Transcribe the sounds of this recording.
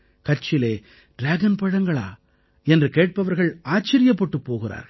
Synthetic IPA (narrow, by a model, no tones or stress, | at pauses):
kɐɾt͡ʃɪleː | ɖɾaːɡɐnpɐɽɐŋɡɐɭa̰ː | ɛndrɯkeːʈ̚pɐʋɐɾɣɐɭaːt͡ʃːɐɾɪjɐpːɔʈːɯpːoːɣɪra̰ːɾ